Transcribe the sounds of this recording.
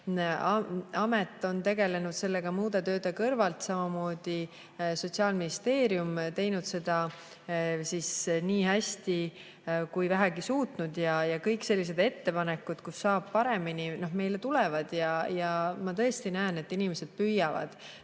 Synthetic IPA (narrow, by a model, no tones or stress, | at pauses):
ɑɑmet̪ˑːo̞nt̪e̞ɡe̞le̞nud̪̥se̞lːe̞ɡ̥ɑmuːd̪et̪ø̞ːd̪ekɤrvɑlt̪sɑmɑmo̞ːd̪̥i | so̞t̪ʲsiɑːlminist̪e̞ːɾjumt̪e̞jnud̪̥se̞d̪̥ɑ | sisniːhæst̪i | kujvæɦæɡisuːt̪nud̪̥jɑjɑkɤjkse̞lʲːis̬e̞d̪̥e̞t̪ːe̞pɑnekːˑud̪̥kusːɑːb̥̚pɑɾe̞minino̞ɦme̞jlet̪ulɛvɑd̪̥jɑjɑmɑt̪ɤ̞est̪inæːne̞t̪ˑːinimese̞d̪̥̚pyjɑvɑ̰d̪̥